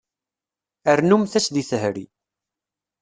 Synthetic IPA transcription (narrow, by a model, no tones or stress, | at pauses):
əɾnumθæsðiθəɦɾḭ